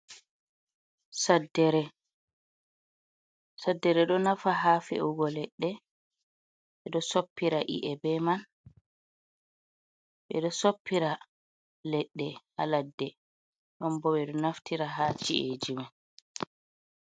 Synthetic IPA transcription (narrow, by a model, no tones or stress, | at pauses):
sadɛɾɛ | sadːɛɾɛɗɔnafaɦafɛ̰ʔuɡɔlɛɗːɛ | ɓɛɗɔsopːiɾaʔḭʔɛbɛman | ɓɛ̰ɗɔsopːiɾa | lɛɗːɛha̰ladːɛ | ɗɔmbɔɓɛɗɔnaftiɾaɦaːt͡ʃiʔḛd͡ʒiman